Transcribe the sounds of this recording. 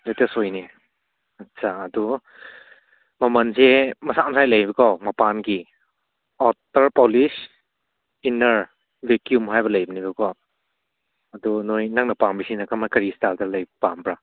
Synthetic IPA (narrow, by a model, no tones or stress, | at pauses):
lejtesojne | ɐtsaːdu | mɐmɐnzemɐsamsajlɐjbɐkawmɐpanɡi | ɔtɐɾpɔlis | inɐɾ | bekjumɦajbɐlɐjbinibɐkɔw | ɐdunojnaŋnɐpaŋbisinakamakɐɾistaltalɐjbɐpambɾa